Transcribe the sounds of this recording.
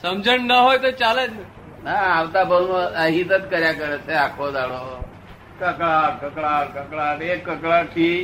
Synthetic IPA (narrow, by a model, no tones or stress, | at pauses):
səmd͡zəɳnəɦojt̪ət͡salət̪nə | naːwt̪abənəɦit̪ət͡skəɾjakəɾət͡sʰeakʰod͡zaɭo | kəkɭaɾkəkɭaɾkəkɭaɾekːəkɭaɾkʰi